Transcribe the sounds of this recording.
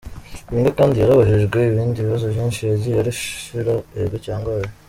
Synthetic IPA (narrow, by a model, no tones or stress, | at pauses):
βiːŋɡakaːndijeɾaβaʒiʒɡeiβiːndiβiβazovjiːnʃizijaɾiʃʃiɾaeɡecaːŋɡaje